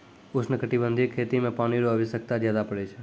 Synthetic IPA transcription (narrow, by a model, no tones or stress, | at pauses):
ʊsʰnəkəʈibənd̪ʱikʰet̪imẽpañiɾoəʋisək̚t̪ad͡ʒjad̪apəɽet͡ʃʰe